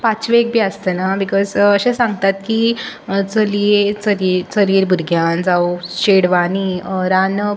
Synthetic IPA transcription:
pat͡ɕʋek̚bʱiəst̪ənabikɔzəɕẽsãŋɡ̚t̪at̪kit͡səliet͡səɾiɾt͡səliːɾbʱuɾɡʱjand͡zawɕeɽʋaniɾanə

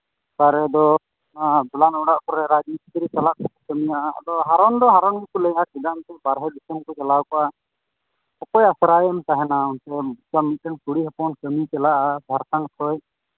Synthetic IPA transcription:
k̪aɾɛd̪ɔ | nad͡ʒulanɔɽaʔkɔɾɛɾad͡ʒnitit̪ɾisalaʔkɔkɔkəmijaʔa̰d̪ɔɦaɾɔnd̪ɔɦaɾɔnɡikuləjakiɡant̪ɛbaɾɦɛdisəmkɔkɛlawkɔʔa | ɔkɔjasɾajmt̪aɦɛnaunt̪ɛbut͡ʃamiʈɛnkuɽiɦɛpɔnkəmikɛlaʔadʱaɾkankʰɔj

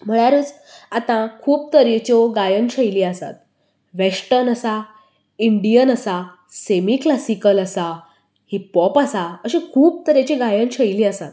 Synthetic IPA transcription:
m̤əɭ̃aɾəːt͡s | at̪ãkʰuːp̚t̪əɾet͡ɕɔɡajənɕəjliasa̰t̪ | ʋesʈənəsa | iɳɖijənəsa | semiklasikələsa | hipɔpasaəɕẽkʰuːp̚t̪əɾet͡ɕeɡajənɕəjliəsat̪̚

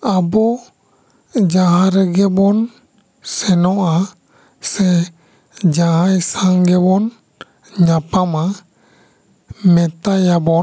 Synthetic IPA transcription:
abɔ | d͡ʒaɦãɾɛɡɛbɔn | sɛnɔʔa | sɛ | d͡ʒaɦãjsãŋɡɛbɔn | ɲapama | mɛt̪ajabɔ

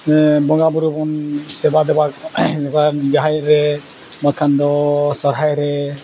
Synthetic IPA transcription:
bɔŋɡabuɾubɔnsɛbad̪ɛbabad͡ʒaɦajɾɛ | makʰand̪ɔsɔɾɦajɾɛ

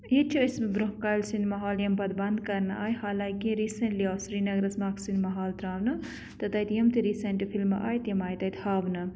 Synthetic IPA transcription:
jit͡ʃʰiɐsmɐɡɾuɦkaːjlsind̪mɐɦaːljɐmpɐd̪bɐnd̪kɐɾnɐ̰ʔaːjɦaːlaːjkĩɾiːsɐnʈlioːsɾiːnɐɡɾɐsmaːksinmɐɦaːlt̪ɾaːʋnɐ | t̪ɐt̪ɐjt̪jɐmt̪iɾiːsɐnʈipʰilmːɐ̰ʔa̰ːjt̪jɐmaːjt̪ɐjt̪haːʋnɐ

